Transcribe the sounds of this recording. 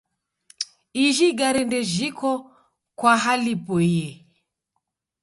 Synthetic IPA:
iʒiɡaɾɛndɛʒikʰɔ | kwaɦalipɔiɛ

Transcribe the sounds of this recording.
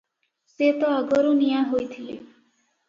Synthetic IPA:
set̪ɔːɡɔɾunijãɦojt̪ʰilḛ

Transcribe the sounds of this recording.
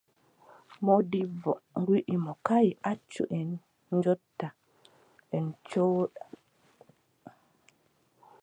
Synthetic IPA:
mɔdivɔŋɡwiʔimɔkajiʔat͡ʃːṵʔɛn | d͡ʒɔtːa | ʔɛnt͡ʃoːɗa

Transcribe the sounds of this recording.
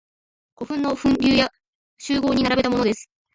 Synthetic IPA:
ɡ̥o̞ɸɯ̟̃nːo̞ɸɯ̟̃nɾʲɨːja | ɕɨːɡo̞ːɲ̟inaɾabe̞t̪amo̞no̞d̪e̞sɨ̥

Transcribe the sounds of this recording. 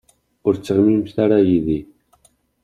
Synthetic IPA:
ʊɾt͡sːəʁmimθaɾajiði

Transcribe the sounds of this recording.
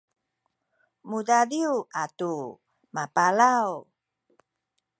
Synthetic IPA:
mudadiuatu | mapalaw

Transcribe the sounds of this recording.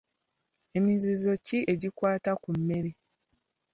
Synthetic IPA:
e̞mizizo̞ciʔe̞ɟikwaːtakumːe̞ɾi

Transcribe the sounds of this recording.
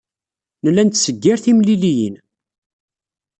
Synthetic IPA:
nəlːænt̪səɡːɪɾθimlilijə̰n

